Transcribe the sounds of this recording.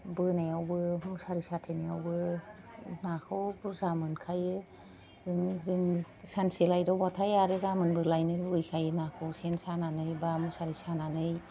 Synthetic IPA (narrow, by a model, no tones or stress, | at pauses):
bɯnajawbɯɦɯŋsaɾisatʰenajawbɯ | nakʰɯwbuɾzamɯnkʰajɯ | zɯŋziŋ | sanselajdɔwbatʰajaɾɯɡamɯnbɯlajnɯɾbɯɯjkʰajɯnakʰɯwsensananɯjbamɯsaɾisananɯj